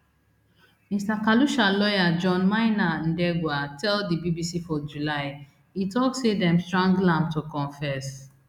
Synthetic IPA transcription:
mistakaluʃalɔjad͡ʒɔ̃nmaɪnan̩dɛɡwatɛldibibisifɔd͡ʒulaɪ | itɔksedɛ̃mstɹɔ̃ŋɡlãmtukɔ̃ɱfɛs

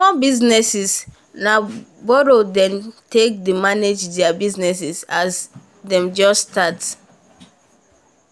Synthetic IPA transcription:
mɔbiznɛsis | nabɔɾodɛ̃mtek̚demaned͡ʒdɛabiznɛs̬isas | dɛ̃md͡ʒɔstat

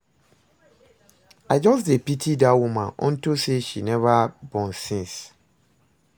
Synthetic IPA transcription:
ad͡ʒɔs̬depitʰidawumãnɔ̰̃ntoseʃinɛvabɔ̃nsɪ̃ns

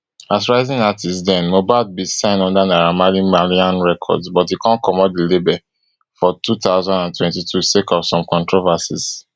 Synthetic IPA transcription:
asɹaɪzĩŋatʰisdɛ̃nmobad̚bisãɪ̃nɔ̃ndanaɹamalĩmaliãnɹɛkʰɔ̰dsbɔtikʰãnkɔmɔdilebɛ | fɔtʰutaʊzãndãntwɛ̃ntitʰusekɔpsɔ̃mkɔ̃ntɹovasḭs

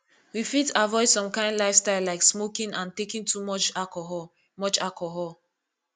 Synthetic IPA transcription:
wifitavɔɪdsɔ̃mkãɪ̃ndlaɪfstaɪlaɪksmokĩnãntekĩntʰumɔt͡ʃakɔɦɔ | mɔt͡ʃalkʰɔɦɔl

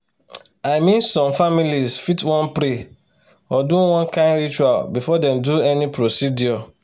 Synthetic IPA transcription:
aɪmĩnsɔ̃mfamilizfitwɔ̃npɾe | ɔduwɔ̃nkʰãɪ̃nɾit͡ʃualbifɔdɛ̃mduɛnĩpʰɾosidiɔ

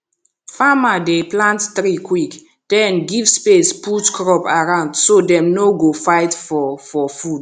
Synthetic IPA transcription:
famadeplãnttɾikwik | d̥ɛ̃nɡivspesputkɹɔpaɹãʊ̃ndsodɛ̃mnoɡofaɪtfɔfɔfud

